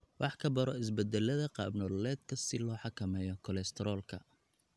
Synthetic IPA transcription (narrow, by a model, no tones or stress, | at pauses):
wʔɑħkʰɐbɐɾɔɪsbɛd̪ɛlɐðɐqɑ̰ːbnɔːlɛːd̪̚kʰɐsɪlɔːħɑkʰɐmɛːjɔkʰɔlɛst̪ʰɛɾɔːlkʰɐ̰